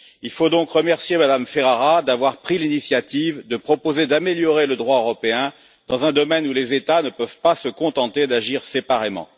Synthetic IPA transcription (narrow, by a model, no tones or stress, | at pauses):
ilfod̪ɔ̃kʁəmɛʁsjemad̪amfeʁaʁad̪avwaʁpχilinisjat̪ivd̪əpχɔpozed̪ameljɔʁeləd̪ʁwaøʁɔpeɛ̃ | d̪̥ɑ̃zɛ̃d̪ɔmɛnulezet̪anəpœvpasəkɔ̃t̪ɑ̃t̪ed̪aʒiʁsepaʁemɑ̰̃